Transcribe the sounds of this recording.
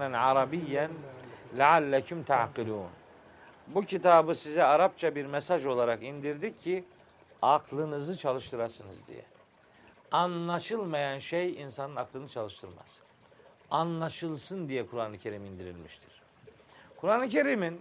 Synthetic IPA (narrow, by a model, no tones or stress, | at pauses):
anʕɑɾɑbijːænlaʕalːæcumt̪ʰaʕqilʲuːn | bucʰit̪ʰaːbɯsizɛaɾap̚t͡ʃʰabiɾmɛsaʒo̞lˠaɾakind̪iɾd̪icʰːi | aklˠɯnɯzɯt͡ʃʰalˠɯʃt̪ʰɯɾaɾsɯnɯ̰zd̪ḭjɛ̰ | anlˠaʃɯlˠmajanʃejinsanɯnaklˠɯnɯt͡ʃʰalˠɯʃt̪ʰɯɾma̰z̥ | anlˠaʃɯlˠsɯnd̪ijɛkʰuɾaːnˠɯcʰe̞ɾimind̪iɾḭlʲmiʃt̪ʰi̥ɾ̥ | kʰuɾaːnˠɯcʰe̞ɾimin